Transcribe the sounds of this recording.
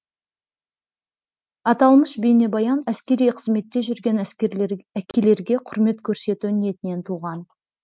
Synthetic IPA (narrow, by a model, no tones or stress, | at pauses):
ɑt̪ɑlˠməʃbene̞bɑjɑnæskʲe̞ɾijqʰəzme̞t̪ːe̞ʒʏɾɡʲe̞n | ækʲʰe̞le̞ɾɡʲe̞qʰʊɾme̞t̪kʲʰɵɾse̞t̪unije̞t̪ɪne̞nt̪ʰuʁɑn